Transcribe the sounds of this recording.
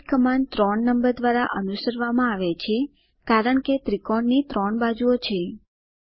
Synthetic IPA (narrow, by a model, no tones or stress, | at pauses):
kəmant̪ɾɔɳːəmbəɾd̪ʋaɾaʔənusəɾʋamãaʋet͡ʃʰe | kaɾəɳket̪ɾikɔɳnit̪ɾɔɳbad͡ʒuot͡ʃʰe